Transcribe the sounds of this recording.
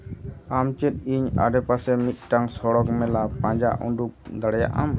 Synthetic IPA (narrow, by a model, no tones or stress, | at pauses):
amt͡ʃɛt̪̚iɲa̰ɖɛpasɛmit̪̚ˀʈaŋsɔɽɔkmɛlapãɲd͡ʒaʔɔɳɖuk̚d̪aɽɛja̰ʔa̰m